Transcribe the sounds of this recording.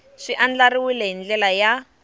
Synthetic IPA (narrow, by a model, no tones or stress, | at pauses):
ʂiʔand͡ɮaɾiwileɦind͡ɮɛlaja